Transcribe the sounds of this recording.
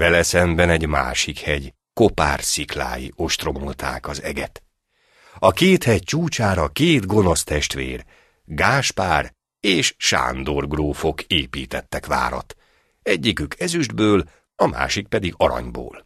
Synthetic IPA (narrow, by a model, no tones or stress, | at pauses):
vɛlɛsɛmbɛnɛɟma̰ːʃikhɛɟ | ko̞pa̰ːrsikla̰ːjḭʔo̞ʃt̪ro̞molt̪ʰa̰ːkɒzɛ̰ɡɛt̪ | ɒkeːt̪hɛc̚t͡ʃuːt͡ʃaːɾɒkeːd̪ɡo̞no̞st̪ɛʃt̪ʋḛːr | ɡaːʃpaːr | eːʃʃa̰ːnd̪o̞rɡroːfo̞keːpiːt̪ɛt̪ːɛkʋa̰ːɾɒ̰t̪ | ɛɟːikykʰɛzyʒd̪bøːl | ɒma̰ːʃik̚pɛd̪iɡɒɾɒ̰ɲbo̰ːl